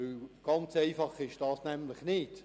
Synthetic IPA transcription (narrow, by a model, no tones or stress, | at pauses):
ølɡ̥ɑnt͡sɛɪfɑχɪʃd̥ɑːsnɛmlɪχnɪt